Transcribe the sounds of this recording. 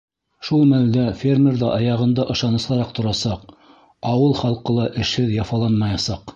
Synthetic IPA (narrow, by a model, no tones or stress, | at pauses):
ʃulˠmæld̪æfʲermʲerðɑ̰ʔɑjɑʁɤ̆nd̪ɑʔɤ̆ʃɑnɤ̆sˠɑɾɑqt̪ŏɾɑsɑq | ɑwɤlˠχɑlˠqɤlˠɑʔɘ̆ʃhɘðjɑfɑlˠɑnmɑjɑsɑq